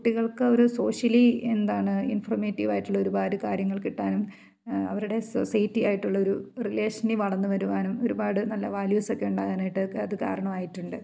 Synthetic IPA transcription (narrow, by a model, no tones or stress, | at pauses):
kuʈːiɣɐɭkɨo̞ɾusoːʂɐliend̪aːɳɨinfɐrmeːtːiʋaːjiʈːuɭːɐo̞ɾubaːɾɨkaːɾjɐŋːɐɭkiʈːaːnum | ɐ̰ʋɐɾuɽe̞sosɐjtːijaːjiʈːuɭːɐo̞ɾurile̞ːʂɐniʋɐɭɐnːɨʋɐɾuʋaːnumo̞ɾubaːɽɨnɐlːɐʋaːljusekːeuɳɖaːɣanaːjiʈːɨɐðɨka̰ːɾɐɳɐmaːjiʈːuɳɖɨ